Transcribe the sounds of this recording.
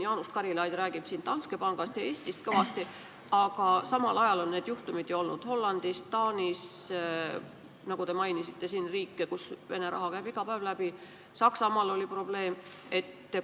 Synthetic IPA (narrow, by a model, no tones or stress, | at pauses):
jɑːnust̪kɑɾilɑːd̪̥ʲræːɡ̥ib̥siːnt̪ɑnske̞pɑŋɡ̥ɑst̪jɑe̞ːsʲt̪ist̪̚kɤvɑst̪i | ɑɡ̥ɑsɑmɑlʔɑjɑlo̞nnːe̞ːd̪juht̪umid̪̥ejo̞lnud̪̥ho̞lːɑnd̪̥ist̪ɑːnʲis | nɑɡ̥ut̪e̞mɑjnisit̪ːˑe̞siːnriːkːekusve̞ne̞ɾɑ̰ɦɑkæjbiɡ̥ɑpæːvlæb̥i | sɑksɑmɑlo̞lʲipro̞b̥le̞ːm | e̞t̪ː